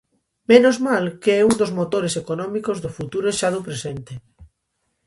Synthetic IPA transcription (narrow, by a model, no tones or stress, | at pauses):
menozmalkeɛund̪ozmot̪oɾesekonɔ̃mikozðʊfut̪uɾeʃaðʊpɾesent̪e